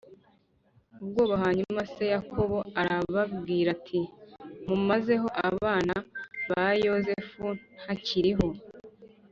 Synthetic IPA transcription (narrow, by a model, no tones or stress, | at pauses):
ubɡo̞ːβaɦaɲumase̞jakʰo̞βo̞aɾaβabɡiːɾatʰimumaze̞ɦo̞ʔa̰βaːnaβajo̞ze̞funn̥haciɾiɦo̞